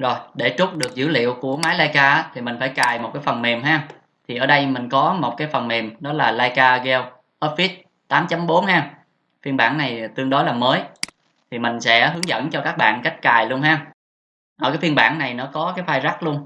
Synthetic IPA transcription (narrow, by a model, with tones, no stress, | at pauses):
zo˨˩jɗe˧˩t͡ɕʊ˦˥k͡p̚ɗɨ˨˩ək̚zɨ̰˧˩lḭ˧˨əwku˧˩əmaː˨˦jlaː˧jkaː˧ʔa˨˦t̪ʰi˨˩mï˨˩ŋ̟faː˧˩jkaː˨˩jmo˨˩t̚kaː˨˦jfə˨˩nme˨˩mɦaː˧ | t̪ʰi˨˩ʔəː˧˩ɗə˧jmï˨˩ŋ̟kɔ˨˦mo˨˩t̚kaː˨˦jfə˨˩nme˨˩mɗɔ˨˦laː˨˩laː˧jkaː˧ɣɛ˧w | ʔəː˦˥t̚fi˦˥t̚ | t̪aː˨˦mt͡ɕa˨˦mɓo˨˦nhaː˧ŋ | fi˧ənɓa̰ː˧˩nna˨˩jt̪ɨ˧əŋɗɔ˨˦laː˨˩məː˨˦j | t̪ʰi˨˩mï˨˩ŋ̟sɛ̰˧˥ɦɨ˨˦ŋzə̰˧˥nt͡ɕɔ˧kaː˦˥k̚ɓa̰ː˧˨nka˦˥jk̟̚kaː˨˩jlu˧ənɦaː˧ | ʔəː˧˩kaː˨˦jfi˧ənɓa̰ː˧˩nna˨˩jnɔ˨˦kɔ˨˦kaː˨˦jfaː˧jza˦˥k̚lu˧ən